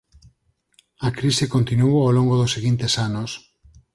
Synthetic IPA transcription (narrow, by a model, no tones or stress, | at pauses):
akɾisɪkont̪inuoawloŋɡoðosːeɣint̪esanos